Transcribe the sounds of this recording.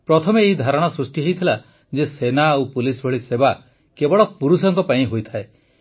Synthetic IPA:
pɾɔt̪ʰɔmeːɦid̪ʱaɾɔɽ̃ɔsɾusʈiɦejt̪ʰila | d͡ʒesenaawpulisbʱɔɭiseba | kebɔɭɔpuɾusɔŋkɔpaĩɦojt̪ʰae

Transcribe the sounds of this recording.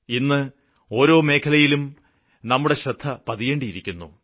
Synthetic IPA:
inːɨ | o̞ːɾo̞ːme̞ːkʰɐlɐjilum | nɐmːuɽe̞ɕɾɐd̪ʱːɐpɐðijeːɳɖijiɾikʲːunːṵ

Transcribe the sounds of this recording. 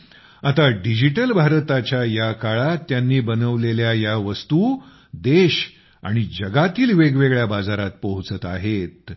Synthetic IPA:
at̪aɖid͡ʑiʈəlbʱaɾt̪at͡ɕjajakaɭat̪janːiːbənəʋleljajaʋəst̪u | d̪eɕ | a̰ɽ̃id͡ʑəɡat̪iːlʋeɡʋeɡɭjabad͡zaɾat̪̚pəɦut͡sət̪aɦet̪̚

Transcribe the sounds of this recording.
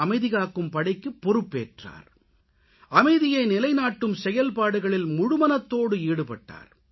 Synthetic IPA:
ɐmɐɪðɪɣaːkːɯmpɐɽɐɪkːɯpːɔɾɯpːḛːʈra̰ːɾ | ʔɐmɐɪðɪjɐɪnɪlɐɪnaːʈːɯmsɛjɐlpaːɽɯɣɐɭɪlmʊɽʊmɐnɐt̪ːoːɽɯiːɽɯpɐʈːa̰ːɾ

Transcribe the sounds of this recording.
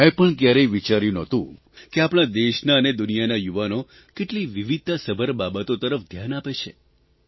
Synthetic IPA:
ẽpəɳkjaɾeʋit͡ʃaɾjũnɔt̪ũ | keapɽ̃ad̪eʃnaəned̪unijanajuʋano | keʈliʋiʋid̪̚ʱasəbʱəɾbabət̪ot̪əɾəfd̪ʱjanapet͡ʃʰe

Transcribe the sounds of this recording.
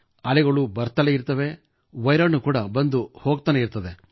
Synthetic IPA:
ɐlɛɡɐɭubɐɾt̪ɐleiɾt̪ɐʋe̞ | ʋɐjɾɐɳːukuːɽɐbɐnd̪uhoːɡ̚t̪ɐːneiɾt̪ɐd̪e

